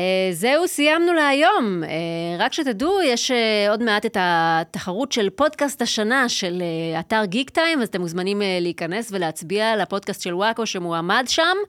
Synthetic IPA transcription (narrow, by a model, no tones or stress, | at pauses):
ezeusijamnuleajo̞meʁakʃet̪adujeʃeo̞dmeat̪e̞tataχaʁutʃelpo̞dkast̪aʃanaʃeleataʁɡiɡt̪ajmvazat̪emuzmanimleiːkɐne̞sve̞leat͡sbialapo̞dkast̪ʃelwakoʃemuamadʃam